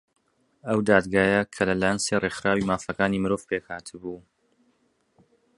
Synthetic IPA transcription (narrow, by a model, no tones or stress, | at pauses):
ɐwd̪aːd̪ɡaːjɐkʰɐlɐlaːjənserexɾaːwimaːfɐkaːniːmɨɾoːvpʰekhaːt̪ʰɨbu